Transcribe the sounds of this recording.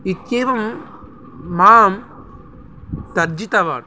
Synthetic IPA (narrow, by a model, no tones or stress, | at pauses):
ikjeːʋɐmː | aːm | t̪ɐɾd͡ʒit̪ɐʋa̰ːɽ